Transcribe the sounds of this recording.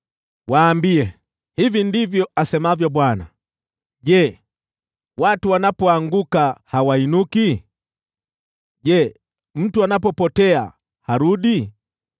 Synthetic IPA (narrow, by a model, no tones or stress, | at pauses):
wʔaːmbiɛ | hivindivjɔasɛmavjɔɓwana̰ | ʄɛ | watuwanapɔaŋɡukahawainuki | ʄɛ | m̩tuanapɔpɔtɛa̰ | haɾuɗi